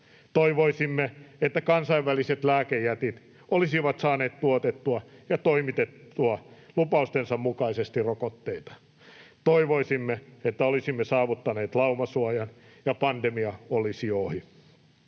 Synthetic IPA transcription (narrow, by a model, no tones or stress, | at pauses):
t̪oiʋoisimːeet̪ːækɑnsɑiʋʋæliset̪læːkejæt̪it̪ | olisiʋɑt̪sɑːneːt̪t̪uot̪et̪ːuɑjɑt̪oimit̪et̪ːuɑ | lupɑust̪ensɑmmukɑisest̪irokot̪ːeit̪ɑ̥ | t̪oiʋoisimːeet̪ːæolisimːesɑːʋut̪ːɑneːt̪lɑumɑsuɑjɑn | jɑpɑnd̪emiɑolisioːhi